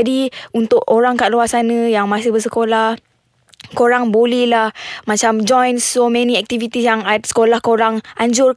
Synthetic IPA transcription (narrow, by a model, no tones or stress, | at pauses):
adiunt̪ʊʔoɾaŋkaʔ̚luarsanə̃jaŋmasɪhbərs̬əkolah | koɾaŋbolɛhlahmat͡ʃamd͡ʒɔjnsomɛnĩɛk̚t̪ivit̪isjaŋat̪̚sə̥kolahkoɾaŋʔaɲd͡ʒʊr